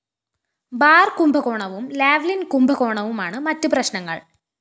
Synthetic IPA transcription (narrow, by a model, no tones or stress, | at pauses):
baːrkumbɐɣo̞ːɳɐʋumlaːʋlinkumbɐɣoːɳɐʋumaːɳɨmɐtːuprɐɕnɐŋːɐ̰ɭ